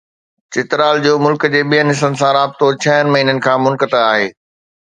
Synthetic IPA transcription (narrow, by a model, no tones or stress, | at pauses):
t͡ɕɪt̪ɾaːld͡ʑoːmʊlkd͡ʑeːɓiənɦɪsənɪ̆sãɾaːbt̪ot͡ɕʰɐɦənɪ̆mɐɦiːnən̆kʰãːmʊlkət̪aaːɦeː